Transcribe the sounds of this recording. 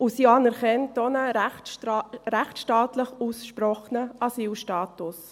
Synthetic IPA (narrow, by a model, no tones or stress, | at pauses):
usiːɑnɛɾkɛntonə | ɾɛχtʃtɑːtləχusʃpɾɔχnəʔɑsiːlʃtɑːtʊs